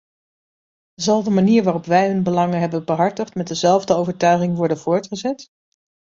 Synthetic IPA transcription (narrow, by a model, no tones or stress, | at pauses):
zɑlˠdəmaniːɹʋaːrɔpʋɛjɦɵnbəlɑŋəɦɛbəbəɦɑɹtəχtmɛt̚dəzɛlˠvdəowvəɹtœɥχɪŋʋɔɹdənv̥ʊːɹtχəzɛt